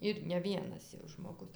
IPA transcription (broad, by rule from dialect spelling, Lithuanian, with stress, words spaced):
ɪr nʲɛ ˈʋʲiɛnɐs jɛʊ ʒmoːˈɡʊs